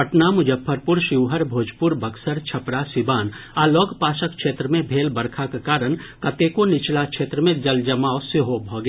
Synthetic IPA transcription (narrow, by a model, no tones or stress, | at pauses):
əʈnamʊd͡ʒəpʰːəɾpʊɾʃɪʋɦəɾbʱoːd͡ʒpʊɾbɐksəɾt͡ʃʰɐpɾasɪbaːnalɔːɡpaːʃəkkʃʰeːt̪ɾəmẽbʱeːlbɐɾkʰakekaːɾənkɐt̪ekonɪt͡ʃlakʃʰeːt̪ɾəmẽd͡ʒɐld͡ʒɐmaːsɪɦobʱɔːɡ